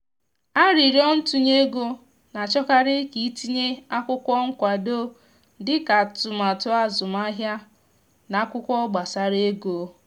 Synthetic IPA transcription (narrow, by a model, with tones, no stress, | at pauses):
a˦ɾi˨ɾi˦ɔ˦n̩˦tu˦ɲe˦ɡo˦ | na˨t͡ʃɔ˦ka˦ɾɪ˦ki˨˦ti˦ɲe˦a˦kʷʊ˦kʷɔ˦ŋ̩˦kʷa˨do˦ | dɪ˦ka˨tʊ˨ma˨tʊ˦a˦zʊ˨ma˦ɦja˦ | na˨˦kʷʊ˦kʷɔ˦ɡ͡ba˨sa˨ɾe˦ɡo˨